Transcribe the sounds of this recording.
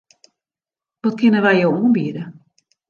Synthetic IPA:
ʋɔt̚kɪnəʋɛjjowuənbiədə

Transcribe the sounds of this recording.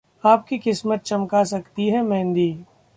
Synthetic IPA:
aːp̚kikɪsmət̪̚t͡ʃɐmkasɐkt̪iɦɛmɛ̃ːnd̪iː

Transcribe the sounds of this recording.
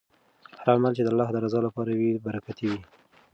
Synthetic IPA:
haɾɑlmalt͡ʃed̪əalːɑhd̪əɾazɑlapɑɾawibaɾakat̪iwi

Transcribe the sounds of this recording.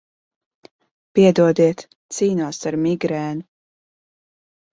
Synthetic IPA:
piɛd̪uɔd̪iɛt̪ | siːnuɔsaɾmiɡɾɛːnu

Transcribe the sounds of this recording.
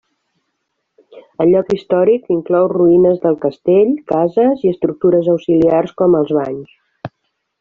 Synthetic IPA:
ənʎɔkist̪ɔɾikiŋklɔwruinəzðəlˠkəst̪eʎkazəziəst̪ɾuk̚t̪uɾəzəwsiliarskɔməlˠzβaɲs

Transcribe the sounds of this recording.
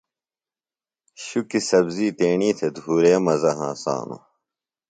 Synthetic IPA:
ɕukisɐbziːt̪eːɳiːt̪ʰed̪ʱuːɾeːmɐzɐɦã̰ːsa̰ːnṵ

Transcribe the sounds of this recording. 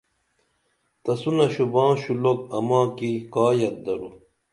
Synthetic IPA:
t̪ɐsunɐɕubɑ̃ːɕulok̚ɐmãːkikaːjɐt̪̚d̪ɐɾu

